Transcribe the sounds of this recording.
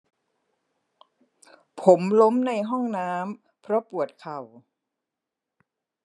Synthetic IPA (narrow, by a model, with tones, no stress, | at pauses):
pʰo˩˦mlo˦˥mna˧jɦɔ˥˩ŋnaː˦˥m | pʰɾɔ˦˥pu˨˩ət̪̚kʰa˨˩w